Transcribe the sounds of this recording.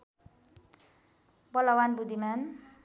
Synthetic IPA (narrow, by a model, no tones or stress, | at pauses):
bʌlʌwanbud̪ʱiman